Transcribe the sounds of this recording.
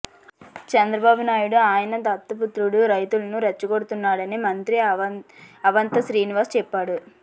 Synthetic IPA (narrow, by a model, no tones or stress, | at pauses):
t͡ʃɛnd̪ɾɐbaːbunaːjuɽuaːjɐnɐd̪ɐt̪ːɐput̪ɾuɽuɾɐjt̪ulɐnuɾɐt͡ʃːukoɽut̪unːaːɽɐnimɐnt̪ɾi | ɐʋɐnt̪ɐʃɾiːniʋaːɾst͡ʃɛpːaːɽu